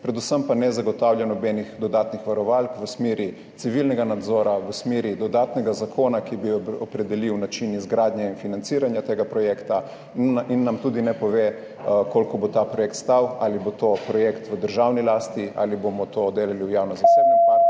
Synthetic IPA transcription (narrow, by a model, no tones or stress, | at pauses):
pɾɛd̪usəmpanɛzaɡɔt̪awljanɔbɛnixd̪ɔd̪aːt̪nixʋaɾɔʋalkʋəsmeːɾi | t̪siʋilnɛɡanad̪zɔːɾaʋəsmeːɾid̪ɔd̪aːt̪nɛɡazakʰoːnakibiɔpɾɛd̪ɛliwnat͡ʃinizɡɾaːd̪ɲjɛinfinant̪siːɾanjat̪eːɡapɾɔjɛːkt̪a | inːamt̪ud̪inɛpɔʋe | koːlkɔbot̪apɾɔjɛkt̪st̪awalibot̪opɾɔjekt̪ʋəd̪əɾʒawnilaːst̪ia̰libomɔt̪od̪eːlaliwjawnɔzaseːbnɛa